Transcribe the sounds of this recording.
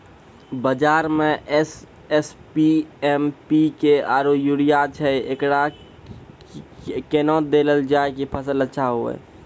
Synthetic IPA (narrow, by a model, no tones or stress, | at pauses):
bəd͡ʒaːɾmẽs | ɛspiɛmpikeaːɾojuɽijat͡ʃʰɛekɽa | keːnɔːt̚d̪eːləld͡ʒaːekipʰəsələtːʃʰaɦoḛː